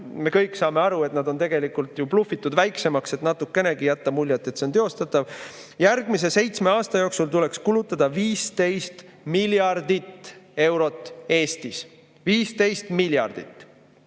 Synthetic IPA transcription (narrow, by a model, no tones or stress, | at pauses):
me̞kɤjksɑːme̞ɑɾue̞t̪nɑd̪̥o̞nt̪e̞ɡ̥e̞likult̪juplufːˑit̪ˑːud̪væjkse̞mɑkse̞t̪nɑt̪ːˑukːe̞ne̞ɡijæt̪ːɑmulʲjɑt̪ˑːet̪seo̞nt̪eo̞st̪ɑt̪ːˑɑv | jæɾɡ̥mis̬e̞se̞jt̪sme̞ɑːst̪ɑjoːksult̪ule̞kskulut̪ːˑɑd̪̥ɑviːst̪e̞jst̪miljɑrd̪it̪ːe̞wɾo̞t̪ːˑe̞ːst̪is | viːst̪e̞jst̪miljɑ̰rd̪̥ḭt̪ːˑ